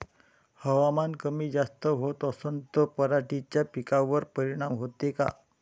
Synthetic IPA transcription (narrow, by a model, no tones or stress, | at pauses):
həʋamankəmiːd͡zast̪əɦot̪əsənt̪əpəɾaʈit͡ɕjapikaʋəɾpəɾiɽ̃amɦot̪eka̰